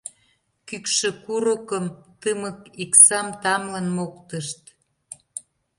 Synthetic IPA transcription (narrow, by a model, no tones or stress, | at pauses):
kykʃĕkuɾəkəmt̪əmə̆kiksɑmt̪ɑmlənmokt̪əʃt̪